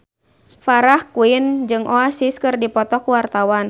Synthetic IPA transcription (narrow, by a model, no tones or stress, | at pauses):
faɾahkuind͡ʒɨŋʔɔasiskɨrdipɔt̪ɔkuwart̪awan